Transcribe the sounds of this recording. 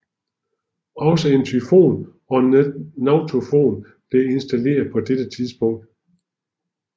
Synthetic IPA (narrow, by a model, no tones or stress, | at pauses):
ɒ̽səe̝nt͡sʰyfo̝̰ːn | ɒ̽nɑ̈ʊt͡sʰofo̝̰ːn | b̥le̝e̝nsd̥æle̝̰ːɐðˠpʰɒ̽d̥ed̥ət͡sʰið̞ˠsb̥ɔ̽ŋ̰d̥